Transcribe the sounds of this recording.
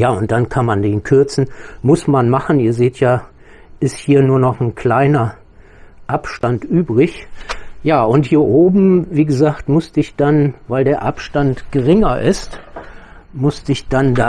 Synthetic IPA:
jaːʊntd̥ankʰanmandeːnkʰʏɐt͡sn̩mʊsmanmaχn̩iːɐzeːtʰjaː | ʔɪsthiːɐnuːɐnɔχn̩kl̥aɪnɐ | ʔapʃtantʔyːbʁɪçjaːʔʊnthiːɐʔoːbm̩viːɡəzaːktmʊstɪçd̥anvaɪldeːɐʔa̰pʃtantɡ̥əʁɪŋɐʔɪst | mʊstɪçd̥anda

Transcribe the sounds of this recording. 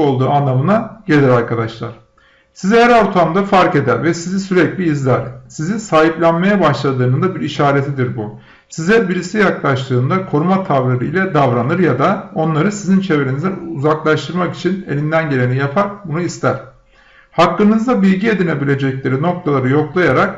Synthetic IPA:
o̞lˠd̪uːanlːˠamɯnaɟe̞lʲiɾaɾkʰad̪aʃlˠaɾ̥ | sizihæɾo̞ɾt̪ʰamd̪afaɾke̞d̪æɾvɛsizisyɾɛclʲiizlʲæɾsizisaːɦiplʲanmajabaʃlˠad̪ɯːnɯnd̪abiɾiʃaːɾe̞t̪ʰid̪iɾbu | sizɛbiɾisijaklˠaʃt̪ʰɯːnd̪akʰo̞ɾumat̪ʰavɾaɾɯjlʲɛd̪avɾanɯɾjad̪ao̞nlˠaɾɯsizint͡ʃʰe̞veɾenizɛuzaklˠaʃt̪ʰɯɾmaki̥t͡ʃʰine̞lʲind̪ænɟe̞lʲe̞nijapʰaɾbunuist̪ʰæɾ̥ | hakːɯnɯzd̪abilʲɟie̞d̪ine̞bilʲe̞d͡ʒɛclʲe̞ɾino̞k̚t̪ʰalˠaɾɯjo̞klˠajaɾak

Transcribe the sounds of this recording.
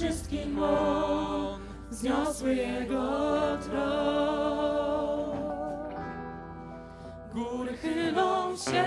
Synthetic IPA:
ɨst̪kʲimɔ | zɲɔswɛjɛɡɔt̪ɾɔ | ɡuɾxɨlɔ̃ɕɛ

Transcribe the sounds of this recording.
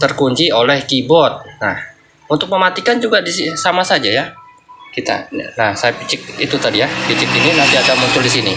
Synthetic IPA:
t̪ərkuɲt͡ʃiolɛhkibɔt̪̚nah | unt̪ʊk̚məmat̪ikand͡ʒuɡadisisamasad͡ʒaja | kit̪a̰nahsajapit͡ʃɪk̚it̪ut̪adijapit͡ʃɪkininant̪iakamuɲt͡ʃʊldisini

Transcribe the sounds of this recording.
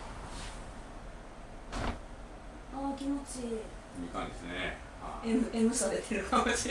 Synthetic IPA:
akʲimot͡ɕi | mʲikã̰ĩd̪esɨne | aemɯemɯsabet̪ʰeɾɯkʰamot͡ɕi

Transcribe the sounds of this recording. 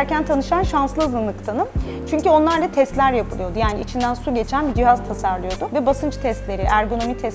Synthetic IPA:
ɾcænt̪ʰanɯʃanʃanslˠɯzɯnˠɯkt̪ʰanɯm | t͡ʃʰyɲcyo̞nlˠaɾld̪ˠat̪ʰɛst̪lʲæɾjapʰɯlˠɯjo̞d̪ujaːniit͡ʃʰind̪ænsuɟe̞t͡ʃʰænbid͡ʒiɦaz̥t̪ʰasaɾlˠɯjo̞d̪uvɛbasɯnt͡ʃt̪ʰɛst̪lʲe̞ɾiʔæɾɡo̞no̞mit̪ʰɛs

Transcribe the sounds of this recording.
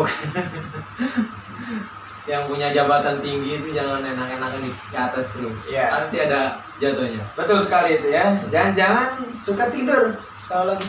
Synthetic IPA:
k | jaŋpuɲad͡ʒabat̪ant̪iŋɡiːt̪ud͡ʒaŋanenakenaknikat̪ast̪ɾʊsjaast̪iada | d͡ʒat̪ohɲabət̪ʊlsə̥kaliːt̪ujad͡ʒaŋand͡ʒaŋansukat̪idʊr | kalo

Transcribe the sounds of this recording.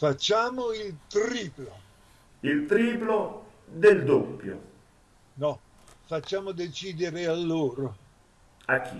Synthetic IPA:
fat͡ʃːaːmʊilt̪ɾiːplo | ilt̪ɾiːplod̪eld̪opːjo̰ | nɔ | fat͡ʃːaːmʊd̪et͡ʃiːd̪eɾealːoːɾo | akʰːi

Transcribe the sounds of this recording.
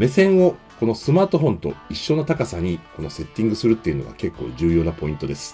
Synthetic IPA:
me̞sẽ̞ɰ̃o̞ | ko̞no̞sɨmaːt̪o̞ɦõ̞nt̪o̞̰iɕːo̞not̪akasaɲ̟iko̞no̞se̞t̪ʲːĩŋɡɯ̟sɨɾɯ̟t̪ːe̞jɯ̟no̞ɡa̰ke̞kːo̞̰ːʑɨːjo̞ːnapo̞ĩnt̪o̞d̪e̞sɨ̥

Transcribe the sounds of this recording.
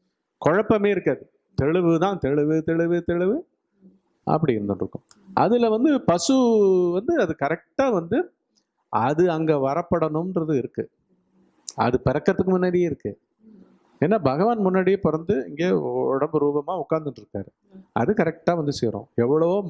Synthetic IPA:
kɔɻɐpːɐmeːɪɾɯkːɐðɯ | t̪ɛɻɯʋɯðãːt̪ɛɻɯʋɯt̪ɛɻɯʋɯt̪ɛɭɯʋɯ | ɐ̰pːɐɽɪɪɾɯnd̪ɯɳɖɾɯkːʊ̃ | ɐ̰ðɪlɐʋɐnd̪ɯpɐsɯʋɐnd̪ɯɐðɯkɐɾɛk̚ʈːaːʋɐnd̪ɯ | ɐðɯɐŋɡeːʋɐɾɐpːɐɽɐnʊmndɾɐðɯɪɾɯkːɯ | ɐ̰ðɯpɛɾɐkːɾɐt̪ːɯkːɯmʊnːaːɽɪjaːɪɾɯkːɯ | eːnːaːbʱɐɣɐʋaːnmʊnːaːɽɪjepɔɾɐnd̪ɯɪ̰ŋɡeːʊɽɐmbɯɾuːbɐmaːʊkːaːnd̪ɯɳʈɾɯkːa̰ːɾɯ | ɐ̰ðɯkɐɾɛk̚ʈːaːʋɐnd̪ɯsɛ̰ːɾõ̰ːɛʋːɐɭɐʋoː

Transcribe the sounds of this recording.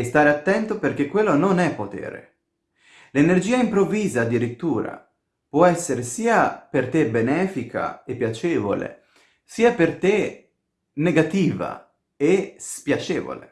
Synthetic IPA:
est̪aːɾeat̪ːɛnt̪operk̟ekːwelːononɛpːot̪ḛːɾḛ | lenerd͡ʒiːaimpɾovːiːzaːd̪ːiɾit̪ːuːɾa̰ | pwɔɛsːeɾesiːapert̪ebenɛːfikʰa̰epːjat͡ʃɛːvo̰lḛ | siːapert̪e | neɡat̪iːva̰ | espjat͡ʃɛ̰ːvo̰lḛ

